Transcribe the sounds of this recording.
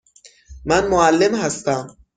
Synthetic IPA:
manmoalːemhast̪am

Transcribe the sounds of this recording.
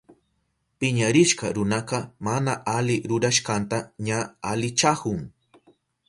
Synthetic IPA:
pɪɲaɾɪʃqɑɾʊnɑqɑmanaʔalɪɾʊɾaʃqɑnt̪aɲaalɪt͡ʃahʊŋ

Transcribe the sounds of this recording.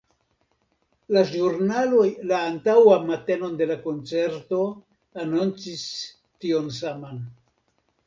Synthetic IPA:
laʒuɾnalo̞jlaːntawamate̞no̞nde̞lako̞nt͡se̞ɾto̞ | anont͡sis | tio̞ns̬aman

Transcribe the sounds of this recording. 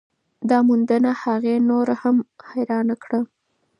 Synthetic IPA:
d̪ɑmund̪ənahaɣenoɾahamhajɾɑnakɽa

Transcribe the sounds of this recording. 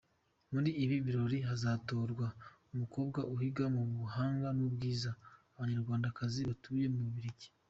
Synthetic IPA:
muɾiːβiβiɾo̞ɾiɦazaːto̞ːɾɡwa | umuko̞ːbɡaʔuhiɡamuβuhaːŋɡanubɡiːzaː | βaɲaɾɡwaːndakaziβatuːje̞muβiɾiɟi̥

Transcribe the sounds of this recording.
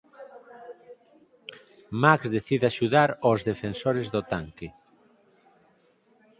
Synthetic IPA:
makzðeθiðeaʃuðaɾozðefensoɾezðot̪aŋke

